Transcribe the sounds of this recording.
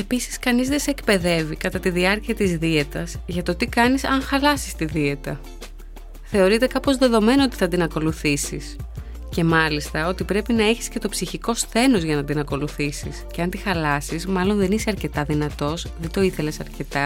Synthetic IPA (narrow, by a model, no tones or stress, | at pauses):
e̞pisi̥skɐnizðe̞sekpe̞ðe̞vikɐt̪ɐt̪iðiɐɾciɐt̪izðie̞t̪ɐzʝɐt̪o̞t̪ikɐnisɐŋxɐlɐsist̪iðie̞t̪ɐ | θe̞o̞ɾit̪e̞kɐpo̞zðe̞ðo̞me̞noot̪i̥θɐt̪inɐko̞luθisis | ce̞mɐlist̪ɐo̞t̪ipɾe̞pinɐeçi̥sce̞t̪o̞psiçiko̞sθe̞nozʝɐnɐt̪inɐko̞luθisisce̞ɐnt̪ixɐlɐsizmɐlo̞nðe̞niseɐɾce̞t̪ɐðinɐt̪o̞sðend̪o̞iθe̞le̞sɐɾce̞t̪ɐ